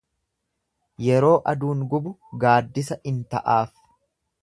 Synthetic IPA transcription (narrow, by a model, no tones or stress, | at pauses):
jɛɾo̞ːʔɐd̪uːŋɡʊbʊɡaːd̪ːɪsɐɪnt̪ɐ̰ʔaːf